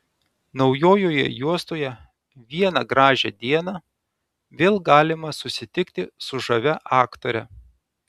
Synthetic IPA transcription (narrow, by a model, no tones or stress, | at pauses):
nɒʊjoːjoːjɛ̰juɔst̪oːjɛ | ʋʲiɛnɐɡɾɑːʒʲɛd̪ʲiɛnɑ | ʋʲeːlˠɡɑːlʲɪmɐsʊsʲɪt̪ʲɪkt̪ʲɪsʊʒɐʋʲɛʔɑːkt̪oːɾʲɛ